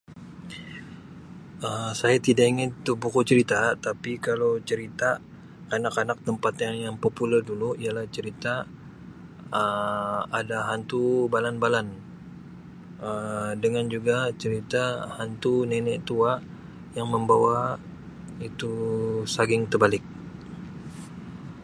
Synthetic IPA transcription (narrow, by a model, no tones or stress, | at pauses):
əsajat̪idaʔiŋɪt̪̚ːubukut͡ʃəɾit̪at̪apikalawt͡ʃəɾit̪aː | nakanak̚t̪əmpat̪jaŋjaŋpopulərduluialaht͡ʃəɾit̪a | əadaɦant̪ubalanbalan | ədəŋand͡ʒuɡat͡ʃəɾit̪ahant̪unɛnɛʔt̪ua | jaŋməmbawa | it̪usaɡɪŋt̪ərbalɪk̚